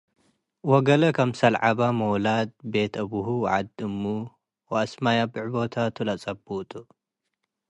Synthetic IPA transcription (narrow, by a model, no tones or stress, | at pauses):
wɔɡɐlɐkʰɐmsɐlʕaβamowlad̪̚be̞t̪ʰɐbuhuw̰ʕa̰d̪ɨmːu | wɐʔɐsmajabɨʕbo̞t̪ʰat̪ʰulat͡sʼɐbut̪ʼu